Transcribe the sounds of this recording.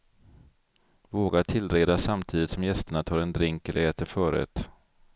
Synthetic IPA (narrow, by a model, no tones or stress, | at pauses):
voːɡaʈʰɪlɾeːd̪asamt̪ʰiːd̪ɪt̪sɔmjɛst̪əɳat̪ʰɑːɾɛnd̪ɾɪŋkɛlʔəɾɛːt̪əɾfœːɾɛ̰ːt̪